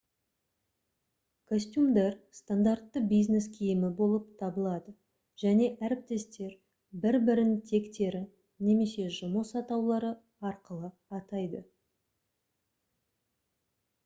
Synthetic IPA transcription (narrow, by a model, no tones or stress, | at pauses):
kʰosʲt̪ʲjumd̪ɑrst̪and̪art̪ːəbijzne̞skʲʰijɪmɪbo̞lˠəp̚t̪ʰɑbəlˠɑd̪ə | ʒ̥æne̞ʔæɾɪp̚t̪e̞st̪e̞ɾ | bɪɾbɪɾɪnt̪ʰe̞kt̪e̞ɾɪ | ne̞me̞se̞ʒʊməsɑt̪ɑwlˠɑɾə | ɑɾqəlˠə | ɑt̪ɑjd̪ə